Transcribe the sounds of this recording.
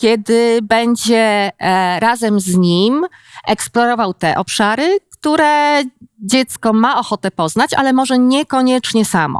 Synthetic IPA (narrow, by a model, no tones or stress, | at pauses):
kʲɛd̪ɘbɛɲd͡ʑɛ | ɾazɛmzɲimɛksplɔɾɔvawt̪ɛʔɔpʂaɾɘkt̪uɾɛ | d͡ʑɛt̪skɔmaɔxɔt̪ɛpɔznat͡ɕʔa̰lɛmɔʐɛɲɛkɔɲɛt͡ʂɲɛsamɔ̰